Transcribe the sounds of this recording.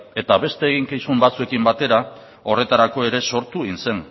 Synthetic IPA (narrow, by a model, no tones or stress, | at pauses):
e̞t̪aβe̞st̪e̞ːɣiŋkijsumbat͡sue̞kimbat̪e̞ɾa | o̞re̞t̪aɾako̞e̞ɾe̞so̞ɾt̪uinse̞ŋ